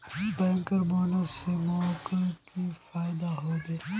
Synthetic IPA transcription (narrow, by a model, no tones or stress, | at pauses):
bɛ̃ːŋkəɾboːnəɾsemɔkkifaːjɪd̪aɦoːbeː